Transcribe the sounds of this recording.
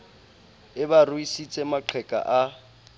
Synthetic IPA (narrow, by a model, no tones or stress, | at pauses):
ɪbaruisit͡sʼɛmaǃʰɛkʼa̰ʔa